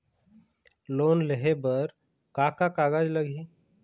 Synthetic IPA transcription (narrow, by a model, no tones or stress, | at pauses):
loːnleɦebəɾ | kakakaɡad͡ʒləɡʱi